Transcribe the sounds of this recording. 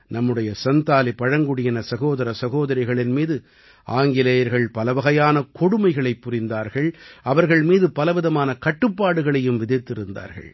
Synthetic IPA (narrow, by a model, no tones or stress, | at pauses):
nɐmːɯɽɐjɐsɐnt̪aːlipɐɻɐŋɡɯɽɪjɐnɐsɐɣoːðɐɾɐsɐɣoːðɐɾɐɪɣɐɭɪnmiːðɯ | aːŋɡɪlɐjɐɾɣɐɭpɐlɐʋɐɣɐjaːnɐkɔɽɯmɐɪɣɐɭɐɪpːʊɾɪnd̪aːɾɣɐɭɐʋɐɾɣɐɭmiːðɯpɐlɐʋɪðɐmaːnɐkɐʈːɯpːaːɽɯɣɐɭɐjɯmʋɪðɪt̪ːɪɾɯnd̪a̰ːɾɣɐ̰ɭ